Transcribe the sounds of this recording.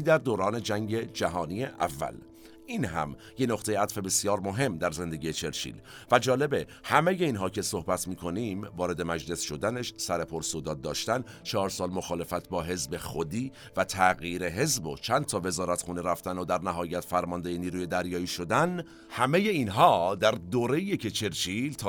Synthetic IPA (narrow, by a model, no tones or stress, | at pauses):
iːd̪æɾd̪oːɾɒːne̞d͡ʒæŋɟe̞d͡ʒæɦɒːniːjeʔæ̰vːæ̰l | ʔiːnɦæ̰m | je̞noqt̪e̞jeæt̪fe̞be̞sjɒːɾmo̞ɦe̞mːd̪æɾze̞nd̪e̞ɡɟiːjet͡ʃʰe̞ɾt͡ʃʰḭːl | væd͡ʒɒːle̞behæme̞je̞iːnɦɒːcʰesohbæt̪ʰmiːkʰo̞niːmvɒːɾe̞d̪e̞mæd͡ʒle̞sʃo̞d̪æne̞ʃsæɾe̞pʰoɾsod̪ɒːd̪̚ːɒːʃt̪ænt͡ʃʰɒːɾsɒːlmo̞xɒːle̞fæt̪ʰbɒːɦe̞zbe̞xod̪iː | væt̪ʰæɣiːɾe̞ɦe̞zbot͡ʃʰænd̪t̪ʰɒːve̞zɒːɾæt̪xuːneɾæft̪ænod̪æɾnæɦɒːjæt̪fæɾmɒnd̪ejeniːɾuːje̞d̪æɾjɒːiːʃo̞d̪æn | hæme̞je̞iːnɦɒːd̪æɾd̪oːɾe̞ijecʰe̞t͡ʃʰe̞ɾt͡ʃʰiːlt̪ʰ